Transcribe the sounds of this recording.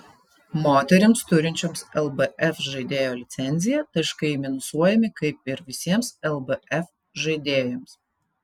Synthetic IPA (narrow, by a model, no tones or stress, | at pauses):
moːt̪ʲɛɾʲɪmst̪ʊɾʲɪnʲt͡ʃʲoːmsɛlˠbɐʔɛfʒɐɪd̪ʲeːjoːlʲɪt̪sʲɛnʲzʲɪjɛt̪ɐɪʃkɐɪmʲɪnsuɔjɛmʲɪkɐɪp̚ɪɾʋʲɪsʲiɛmsɛlˠbɛɛf | ʒɐɪd̪ʲeːjoms